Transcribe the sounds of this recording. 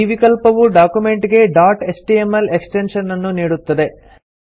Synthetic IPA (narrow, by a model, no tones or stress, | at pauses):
iʋikɐlpɐʋuɖaːkume̞ɳʈiɡe̞ɖaːɾʈesʈiemɐleksʈenʂɐnːɐnːuniːɽut̪ːɐd̪e̞